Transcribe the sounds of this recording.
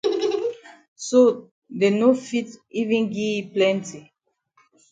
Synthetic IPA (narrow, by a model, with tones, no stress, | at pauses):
so˦ | de˨no˦fi˦ti˦vĩ˦nɡi˦plɛ̃˦nti˨